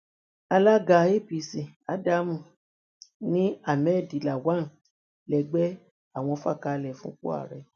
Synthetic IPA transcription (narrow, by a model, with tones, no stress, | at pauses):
a˧la˦ɡa˧˨˦e˦˨pi˨sĩ˨a˦da˦mũ˨ | nĩ˦a˦˨mɛ˦˨di˨la˨wa˦n˨ | lɛ˨ɡ͡bɛ˦ | a˦˨w̃ɔ̃˧fa˦˨ka˧lɛ˨fũ˦k͡po̰˦a̰˦˨ɾɛ˨˧